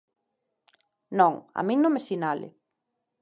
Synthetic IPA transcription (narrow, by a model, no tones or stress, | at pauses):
nɔ̃ŋa̰mĩŋnõmesinalɪ̰